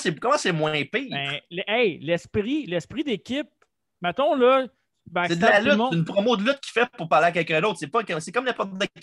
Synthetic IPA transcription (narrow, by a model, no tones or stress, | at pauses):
sekɔmãsɛmwɛ̃piːɛ̃ʁlɛʔɛɪlɛspʁilɛspʁid̪ekʲɪp̚ | mət̪ɔ̃lʌ | bɛsed̪lalytɨnpʁɔmod̪əlyt̪̚kʲʰi̥fɛpʊʁpaʁleak̬ʲɛlkʲœ̃d̪oʊt̪sepɔkɛsekɔmlɛ̃pɔt̪d̪e